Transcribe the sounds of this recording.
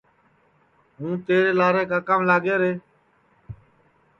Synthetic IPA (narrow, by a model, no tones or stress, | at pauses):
ɦũːt̪eːɽeːlaːɾeːkaːkəmlaːɡeːɾeː